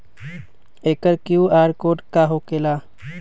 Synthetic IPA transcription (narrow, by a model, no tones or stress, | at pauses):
eːkəɾkjuːaːɾkoːɖkaːɦokelaː